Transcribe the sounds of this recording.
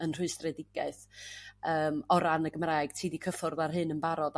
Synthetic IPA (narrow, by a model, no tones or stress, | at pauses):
ənr̥ʊɨstrɛdɪɡ̥ɛɨθəːmɔɾanəɡəmrajɡ̥tʰiːdikʰəfʊrðarɦɨnənbaɾɔd